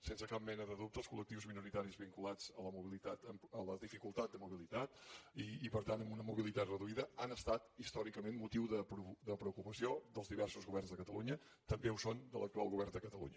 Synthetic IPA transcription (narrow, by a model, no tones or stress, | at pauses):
sensəkap̚mɛnəðəðup̚t̪əlˠskulək̚t̪iwzminuɾit̪aɾizβiŋkulad͡zələmuβilit̪at̪əmələðifikulˠt̪at̪d̪əmuβilit̪at̪iːpəɾt̪anəmunəmuβilit̪at̪rəðuiðəanəst̪at̪ist̪ɔɾikəmenmut̪iwðəpud̪əpɾəukupəsiod̪əlˠzðiβɛrsuzɣuβɛrnzðəkət̪əluɲə | t̪əmbeusond̪ələk̚t̪ua̰lˠɣuβ̞ɛrnd̪əkət̪əlṵɲə